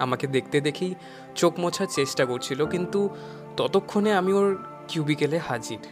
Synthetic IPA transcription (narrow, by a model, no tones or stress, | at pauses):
a̰maked̪ek̚ʰt̪ed̪ekʰij | t͡ɕokmɔt͡ɕʰaɾt͡ɕesʈakoɾt͡ɕʰilokint̪u | t̪ɔt̪okʰːoneamioɾ | kjubikelehad͡ʑiɾ